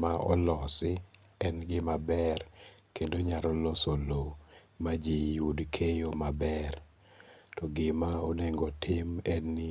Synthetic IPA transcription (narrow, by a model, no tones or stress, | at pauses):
maʔɔ̰lɔsɪɛnɡɪmabɛrkendoɲaɾɔlosolo | mad͡ʒijudkʰejomabɛr | tɔɡɪmaoneŋɡɔtʰɪmɛnːɪ